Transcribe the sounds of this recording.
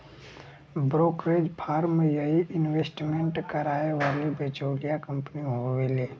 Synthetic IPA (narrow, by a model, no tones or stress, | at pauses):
bɾoːkɾeːd͡ʒpʰaːɾmjəɦiʔɪnweːsʈmẽɳʈkəɾaːeʋaːlibeːt͡ʃoːlijakə̃mpniɦoweleː